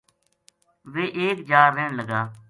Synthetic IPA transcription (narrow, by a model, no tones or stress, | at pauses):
ʋeːʔeːkd͡ʒaːɾːeːɳləɡaː